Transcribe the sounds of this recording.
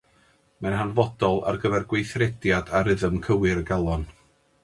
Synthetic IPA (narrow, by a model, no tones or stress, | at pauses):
manɦanvɔdɔlˠa̰rɡəvɛrɡwejθrɛdjadaɾɨðəmkʰəwɪɾəɡalˠɔn